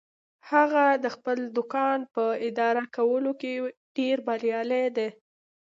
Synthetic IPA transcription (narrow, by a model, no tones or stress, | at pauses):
haɣad̪əxpəld̪ʊkɑnpəɪd̪ɑɾakawəlokeɖ̥eɾbaɾjɑled̪e